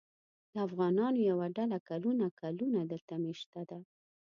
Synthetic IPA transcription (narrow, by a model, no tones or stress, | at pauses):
d̪̥əafɣɑnɑnojawaɖalakalunakalunad̪əlt̪ameʃt̪ad̪a